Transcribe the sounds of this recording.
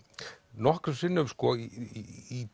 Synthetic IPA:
nɔhkɾʏsɪnːʏmskɔiː

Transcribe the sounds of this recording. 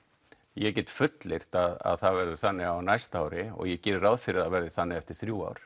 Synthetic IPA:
jɛcɛt̪fʏt̪lɪr̥t̪aða̰ðθaðvɛɾðʏθanːɪawnajst̪awɾɪɔ̰ɣjɛcɛːɾɾaːwðfɪɾɪðaðvɛɾðɪθanːɪɛft̪ɪɾ̥θɾjuːa̰wɾ̥

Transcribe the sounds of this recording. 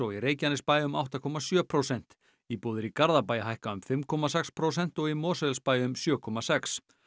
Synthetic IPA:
ɔɣireːjcanɪspaːjʏma̰wht̪akʰɔmasjœːpʰɾowsɛn̥t̪ | ipoːðɪɾikaɾðapaːjaɦajhkaʏmfɪmkʰɔmasɛkspʰɾowsɛn̥t̪ɔɣimɔːsðɛlspaːjʏmsjœːkʰɔmasɛks

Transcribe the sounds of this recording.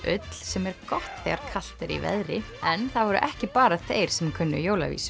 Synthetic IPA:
ʔʏt̪l̥sɛmɛɾkɔht̪θɛ̰ɣaɾkʰal̥t̪ɪɾḭvɛ̰ðɾɪ | ɛnθaðvɔɾʏ̰ʔɛhcɪpaːɾaθeːjɾ̥sɛmkʰʏnːʏ̰joːwla̰vḭːsʏ

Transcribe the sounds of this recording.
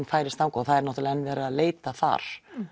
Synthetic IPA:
nfaːjɾɪst̪aːwŋkaθaðɛɾnɔht̪ʏlɛnːvɛːɾaaðleːjt̪aθa̰ɾ̥

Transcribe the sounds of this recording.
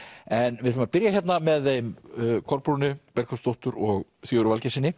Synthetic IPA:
ɛnvɪʏmapɪɾjaçjɛt̪namɛðejmkʰɔɾpɾunʏpɛɾkʰḁst̪owht̪ʏɾɔɣθjowɾʏvalcɛsɪnːɪ

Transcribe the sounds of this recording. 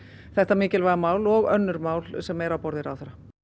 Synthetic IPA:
θɛht̪amɪːcɪlvaðamaːwlɔɣœnːʏɾmaːwlsɛmɛɾawpɔɾðɪɾaːwθɛɾa

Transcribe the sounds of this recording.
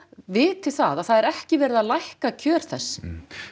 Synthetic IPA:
vɪːt̪ʰɪ̥θaðaθaðɛɾɛhcɪvɛːɾɪðaðlajhkacʰœːɾ̥θɛsː

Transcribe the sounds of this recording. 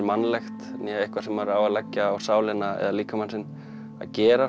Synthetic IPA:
ɾmanːlɛxt̪njɛɪhkvaɾ̥sɛmaɾawaðlɛcːaːwsaːwlɪnaɛ̰ðaliːkamansɪn | a̰ðcɛːɾa

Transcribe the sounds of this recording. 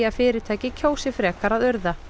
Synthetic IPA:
aðfɪːɾɪt̪ʰaːjcɪcʰoːwsɪfɾɛːkaɾaðœɾða

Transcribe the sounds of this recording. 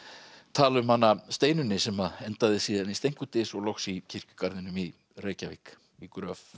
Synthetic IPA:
t̪ʰaːlʏmhanːast̪eːjnʏnːɪsɛmaɛnt̪aðɪsiːðanist̪ejŋ̥kʏt̪ɪsɔɣlowxsicʰɪr̥cʏ̥kaɾðɪnʏmi | reːjcavɪk | ikɾœf

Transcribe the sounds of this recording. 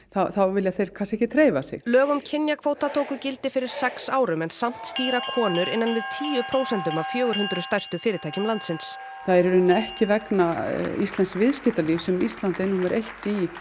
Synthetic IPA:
θawθawvɪljaθejɾ̥kʰasɛhcɪt̪ʰɾeːjvasɪ̰ɣlœːɣʏmcʰɪnjakʰvoːwt̪at̪ʰoːwkʏcɪlt̪ɪfɪɾɪɾ̥sɛksaːwɾʏmɛnsam̥t̪st̪iːɾakʰɔːnʏɾʔɪnːanvɪðt̪ʰiːjʏpʰɾowsɛnt̪ʏmaðfjœːɣʏɾɦʏnt̪ɾʏst̪ajr̥st̪ʏfɪːɾɪt̪ʰaːjcʏmlant̪sɪns | θaɛɾɾʏnːaɛhcɪvɛknaist̪lɛnsvɪðscɪht̪alifsɛmist̪lant̪enːumɛɾʔejht̪i

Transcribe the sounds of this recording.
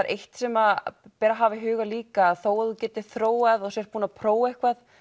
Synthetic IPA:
ɾʔejht̪sɛmapɛːɾaɦaːvɪɦʏːɣaliːkaːðθoːwaðucɛːt̪ɪ̥θɾoːwaðɔɣsɛr̥puːnapʰɾoːwehkvað

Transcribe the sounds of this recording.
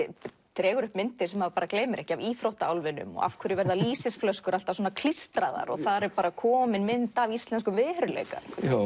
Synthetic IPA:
t̪ɾɛːɣʏɾʏhpmɪnt̪ɪɾ̥sɛmhavapaːɾakleːjmɪɾɛhcɪaviːfɾowht̪aawlvɪnʏ̰mɔ̰ɣa̰fkʰvœɾɪvɛɾðaliːsɪsflœskʏɾalt̪av̥s̬wɔnakʰl̥ist̪ɾaða̰ɾɔ̰ɣθaɾɛɾpaːɾakʰɔːmɪnmɪnt̪avist̪lɛnskʏmvɪðhœɾʏlḛjka̰

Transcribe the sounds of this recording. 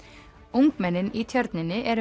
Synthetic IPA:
ʔʊŋɡmɛnənʔiːt̪ʰjɑɾd̪nənəʔeːɾ

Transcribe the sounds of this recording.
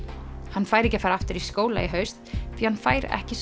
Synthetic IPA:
hanːfaːjɾɛhcɪafaːɾaft̪ɪɾiskoːwla̰iɦœɥst̪θihanfaːjɾɛ̰hcɪs

